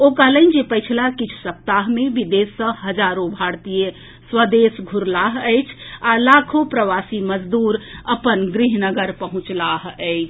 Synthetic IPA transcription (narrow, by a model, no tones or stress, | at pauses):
okaləɪnd͡ʒepəjt͡ʃʰlakit͡ʃʰu̥səp̚t̪aɦmeʋid̪esːə̃həd͡ʒaɾobʱaɽt̪ije | swəd̪esɡʱuɾlaɦəjt͡ʃʰalakʰopɾəʋasiməd͡ʒd̪uɾəpənɡɾiɦnəɡəɾpəɦũt͡ʃlaɦəɪt͡ʃʰ